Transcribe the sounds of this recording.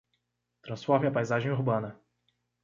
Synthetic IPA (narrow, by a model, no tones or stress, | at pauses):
t̪ɾɐ̃sfɔɾmɪɐpajzaʒẽj̃uɾbɐ̃nɐ